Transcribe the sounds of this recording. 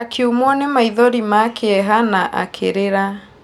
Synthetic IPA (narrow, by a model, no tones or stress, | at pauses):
akʰiumɔnemaiðɔɾimakʰeɛɦanaʔa̰kʰḛɾeɾa